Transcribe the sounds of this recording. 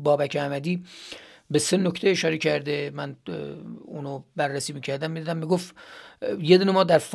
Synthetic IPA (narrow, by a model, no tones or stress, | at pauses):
bɒːbækʰeæmæd̪iː | bese̞nocʰt̪ʰeeʃɒːɾecʰæɾd̪emæn | uːnobærːæsiːmiːcʰæɾd̪æmːid̪id̪æmːiɡof | jed̪unemɒːd̪æɾf